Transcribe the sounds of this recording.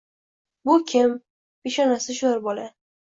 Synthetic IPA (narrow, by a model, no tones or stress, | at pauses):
bʊkʲʰɪm | beʃɒnasɪʃʊaɾbɒla